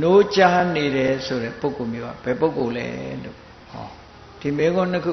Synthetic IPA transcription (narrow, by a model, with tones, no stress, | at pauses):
no˦t͡ɕa˦ne˨ɾɛ˨so˨ɾɛ̰˦˨po˦ʊ˨kːo˨mjo˦a̰˦˨b̥ɛ˨po˦˨ko˨lɛ̰˦lo̰˨ | hɔ̰˨ | d̥i˨me˦ɡõ˦nə˦kʰu˦˨